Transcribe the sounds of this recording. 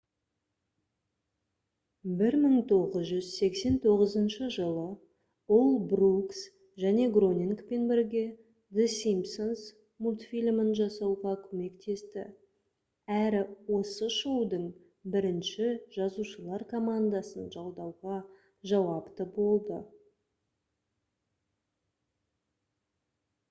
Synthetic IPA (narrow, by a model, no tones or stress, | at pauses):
bɪɾməɴt̪ʰo̞ʁəzʒʏzse̞kse̞nt̪ʰo̞ʁəzənʃəʒəlˠə | olˠbruks | ʒæne̞ɡro̞nʲiŋkpe̞nbeɾɡʲe̞ | d̪esimsons | mult̪fʲilʲmənʒɑsɑwʁɑkʲʰɵme̞kt̪ʰe̞st̪ɪ̰ | æɾɪwo̞səʃowd̪əɴ | bɪɾɪnʃɪʒ̥ɑzuʃəlˠɑɾkʰomand̪ɑsənʒɑlˠd̪ɑwʁɑ | ʒɑwɑpt̪əbo̞lˠd̪ə